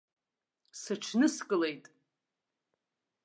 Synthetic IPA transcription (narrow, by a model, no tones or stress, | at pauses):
sɨʈ͡ʂʰnɨskʼɨle̞jtʼ